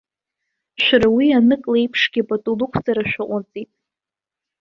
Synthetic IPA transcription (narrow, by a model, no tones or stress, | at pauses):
ʃʷᶣaɾawianɨkʼlejpʰʂɡʲapʼatʼulukʷʰd͡zʼaɾaʃᶣaʔʷʼat͡sʼitʼ